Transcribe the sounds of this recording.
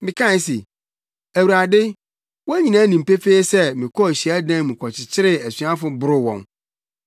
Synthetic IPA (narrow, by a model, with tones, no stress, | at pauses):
mɪ̃˨kʰã˦sḛ˨ | æ˨wu˨ɾa˨dɪ˦ | wɔ̃˦ɲĩ˨nãː˦nĩ˨m̩˨pe˦feː˦sɛ˦mɪ̃˨kʰɔ˦˨ɕi˨æ˦dã˦mũ˨kʰɔ˨t͡ɕʰɪ˨t͡ɕʰɪ˦ɾɪ˦æ˨sɥa˦fʊ˦bʊ˦ɾʊ˦wɔ̰̃˨n